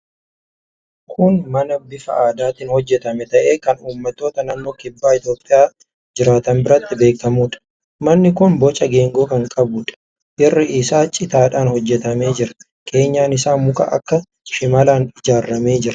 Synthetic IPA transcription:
kʰʊnmɐnɐbɪfɐ̰aːd̪aːt̪ɪːnhɔd͡ʒːɛt̪ɐmɛt̪ɐʔeːkɐnuːmːɐt̪ːo̞ːt̪ɐnanːo̞ːkɪbːaːɪt̪jo̞ːpʼːɪjaː | d͡ʒɪɾaːt̪ɐmbɪɾɐt̪ːɪbe̞ːkkɐmuːᶑɐ̥ | mɐnːɪkʊnbɔt͡ʃʼːɐɡe̞ːŋɡo̞ːkɐŋkʼɐbʊːᶑɐ̥ | ʔɪrːɪɪsaːt͡ʃʼɪt̪aːᶑaːnhɔd͡ʒːɛt̪ɐme̞ːd͡ʒɪɾɐ | kʰe̞ːɲːaːnɪsaːnmʊkɐ̰ʔɐ̰kːɐ | ʃɪmɐlaːnɪd͡ʒaːrːɐme̞ːd͡ʒɪɾɐ̥

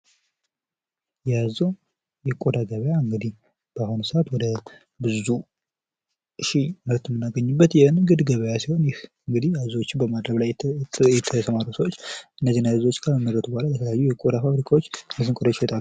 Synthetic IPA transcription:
jazəw | jɛkʼod̪aɡəβəjaɨŋɡɨd̪ih | b̥ahonsəat̪wɔd̪ə | bɨzu | ɨʃiməɾt̪jɛmːɨnːaɡəɲːubːət̪jɛhɨnɡɨd̪ɡəβəjasiho̞njɪhɨŋɡɨd̪iaɨzwot͡ʃːɪbəmad̪ɾəβlajɛt̪ʰəsəmaɾusəwot͡ʃːʔɨnːəzːinːaɨzwo̞t͡ʃːɡaməmːəɾət̪ubohalajɛt̪ʰələjajːujɛkʼod̪afaβɾikʰawot͡ʃːnɨsɨŋkʼod̪aət̪ʼalːu

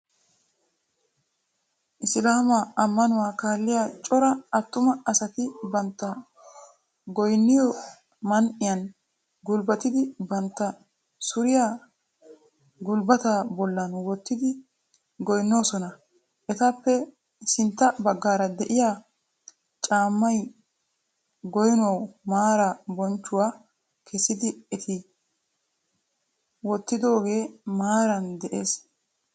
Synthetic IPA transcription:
ʔɪslaːmɐɐmːɐnʊwaːkaːlːɪjaːt͡ʃʼɔɾɐɐt̪ːʊmɐɐsɐt̪ɪbɐnt̪ːɐ | ɡɔjnːɪjɔ | mɐnʔɪjɐn | ɡʊlbɐt̪ɪd̪ɪbɐnt̪ːɐ | sʊɾɪjaː | ɡʊlbɐt̪aːbɔlːɐnwɔt̪ːɪd̪ɪ | ɡɔjnːo̞ːsɔnɐ | ʔɛt̪apːɛ | sɪnt̪ːɐbɐɡːaːɾɐd̪ɛʔɪjaː | t͡ʃʼaːmːɐj | ɡɔjɪnɐwmaːɾɐbɔnt͡ʃːʊwaː | kʰɛsːɪd̪ɪɛt̪ʰɪ | wɔt̪ːɪd̪o̞ːɡe̞ːmaːɾɐnd̪ɛʔe̞ːs

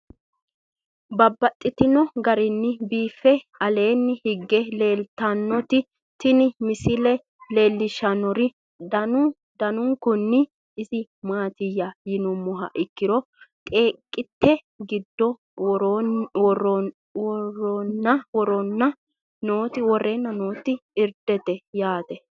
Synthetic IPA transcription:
bɐbːɐt̪ʼːɪt̪ɪnɔɡɐɾɪnːɪbiːfːɛɐle̞ːnːɪhɪɡːɛle̞ːlt̪ɐnːɔt̪ɪ | t̪ɪnɪmɪsɪlɛ | le̞ːlːɪʃɐnɔɾɪ | dɐ | d̪ɐnʊŋkʊnːɪ | ɪzɪmaːt̪ɪjɐjɪnʊmːɔɦɐ̰ʔɪkːɪɾɔk̪ʼe̞ːkʼːɪt̪ʰːɛ | ɡɪd̪ːɔ | ɾwɔrɔ | wɔrɔnːɐwɔɾɔnːɐ | noːt̪ɪwɔrːeːnːɐno̞ːt̪ːɪɪɾd̪̥ɛt̪ɛjaːt̪ɛ

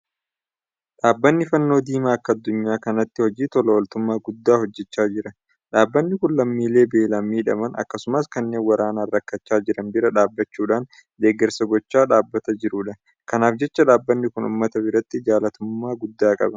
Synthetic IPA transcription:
ᶑaːbːɐnːɪfɐnːo̞ːd̪iːmaːɐkːɐɐd̪ːʊɲːaːkɐnɐt̪ːɪhɔd͡ʒiːt̪ɔlɐwɐlt̪ʊmːaːɡʊd̪ːaːhɔd͡ʒːɛt͡ʃːaːd͡ʒɪɾɐ | ᶑaːbːɐnːɪkʊnlɐmːiːle̞ːbe̞ːlɐmiːᶑɐmɐnʔɐ̰kːɐsʊmɐskɐnːe̞ːnwɐɾaːnaːrːɐkːɐt͡ʃːaːd͡ʒɪɾɐnbɪɾɐᶑaːbːɐt͡ʃːuːᶑaːn | d̪eːɡɛɾsɐɡɔt͡ʃːaːᶑaːbːɐt̪ɐd͡ʒɪɾuːᶑɐ | kɐnaːfd͡ʒɛt͡ʃːɐᶑaːbːɐnːɪkʊnʊ̰ːmːɐt̪ɐbɪɾɐt̪ːɪd͡ʒaːlɐt̪ʊmːaːɡʊd̪ːaːkʼɐ̰bɐ

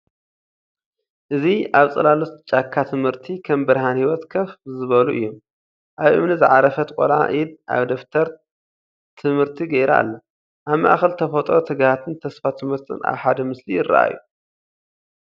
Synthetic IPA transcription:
ʔɨziaβt͡sʼɐlalot̪t͡ʃʼakʰːat̪ʰɨmhɨɾt̪ʰikʰɐmbɨɾɦanhiwɔt̪kʰɐfzɨβɐluʔɨ̰jːom | ʔaβʔɨ̰mnɨzɨʕaɾɐfɐt̪ʼkʼolʕa̰ʔid̪ʔa̰βd̪oft̪ʰɐɾ | t̪ʰɨmhɨɾt̪ʰiɡɐjɾa̰lːɐ | ʔaβma̰ʔaxɐlt̪ʰɐfɐt̪ʼɾot̪ʰɨɡhat̪ʰɨnt̪ʰɐsfat̪ʰɨmhɨɾt̪ʰɨ̰na̰βħad̪ɐmɨslijɪrːa̰ʔa̰jːu

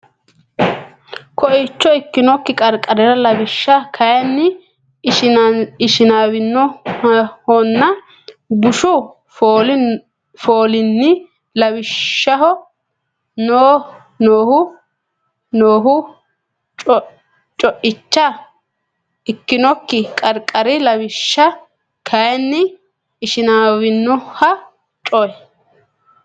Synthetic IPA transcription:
kʰɔɪt͡ʃːɔɪkːɪnɔkːɪkʼɐɾkʼɐɾɛɾɐlɐbɪʃːɐkʰɐjɐnːɪ | ɪʃɪnaːbɪnːɔ | hɔnːɐ | bʊʃʊ | foːl | foːlɪnːɪ | lɐbɪʃːɐɦɔ | noː | noːhʊ | noːɦʊ | t͡ʃʼɔ | t͡ʃʼɔʔɪt͡ʃːɐ | ɪkːɪnɔkːɪkʼɐɾkʼɐɾɪlɐwɪʃːɐ | kʰɐjɛnːɪː | ʃɪnaːwɪnːɔhɐ | t͡ʃʼɔjɛ

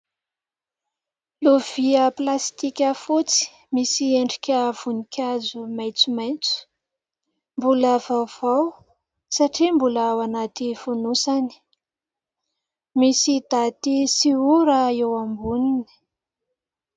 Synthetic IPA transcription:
lov̥iəplast̪ikʲəfut͡si̥ | misieɳɖ͡ʐikʲəv̥unikʲʰazumajt͡sumajnt͡su̥ | mbuləv̥awv̥aw | saʈ͡ʂimbulaawanat̪ifunusani̥ | misid̪at̪isiuɾəewambunini̥

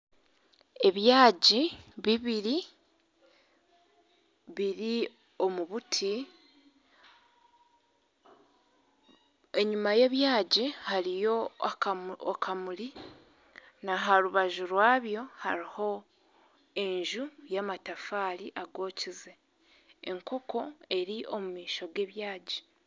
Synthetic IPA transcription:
e̞βjaːɟiβiβiɾi | βiɾi | o̞muβutʰi | e̞ɲumaje̞ːβjaːɟihaɾijo̞aokʰamuli | naɦaɾuβaʒuɾwaːβjo̞haɾiho̞ | e̞ɲʒujamatafaːliʔaɡo̞ːcize | eŋko̞ko̞e̞ɾiʔo̞mumiːʃo̞ɡe̞ːβjaːɟi̥

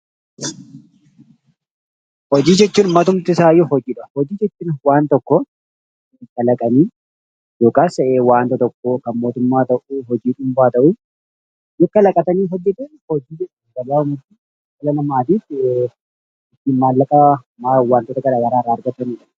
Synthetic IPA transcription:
hɔd͡ʒiːd͡ʒɛt͡ʃːuːnmːɐt̪ʊmt̪ɪsaːjɔhɔd͡ʒiːᶑɐ̥hɔd͡ʒiːd͡ʒɛt͡ʃːuːnwaːnt̪ɔkːɔ | ɪkːɐlɐkʼɐniː | joːkʼaːsewaːnt̪ɐt̪ɔkːokɐnmo̞ːt̪ʊmːaːt̪ɐʔuːɦɔd͡ʒiːᶑʊmbaːt̪ɐʔu | jɛkːɐlɐkʼɐt̪ɐniːɦɔd͡ʒːɛt̪unhɔd͡ʒiːd͡ʒɛᶑ | ɡɐlaːʊmti | kɐlɐlɐmaːt̪iːf | ɪt̪ːiːmmaːlːɐkʼɐ | mawaːnt̪oːt̪ɐɡɐɾaːjɐɾaːrːaːɐɾɡɐt̪ːɐniːᶑɐ

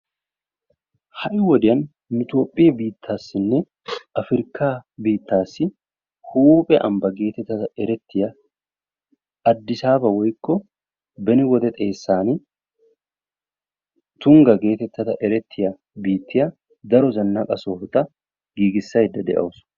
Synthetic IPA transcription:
hɐʔɪwɔd̪ɪɐn | nɪt̪o̞ːpʼːɪjɐbiːt̪ʰːaːsːɪnːɛ | ɐfɪɾkaːbiːt̪ːaːsːɪ | huːpʼɛʔɐ̰mbɐɡe̞ːt̪ɛt̪ːɐt̪ɐɛɾɛt̪ːɪjɐ | ɐd̪ːɪsaːbɐwɔjkːɔ | bɛnɪwɔd̪ɛt̪ʼe̞ːsːaːnɪ | t̪ʊŋɡɐɡe̞ːt̪ɛt̪ːɐt̪ɐʔɛɾɛt̪ʰːɪjɐ | biːt̪ːɪjɐ | d̪ɐɾɔzɐnːɐkʼɐsoːft̪ɐ | ɡiːɡɪsːɐhɛd̪ːɐd̪ɛ̰ʔɐ̰ʊsʊ̥

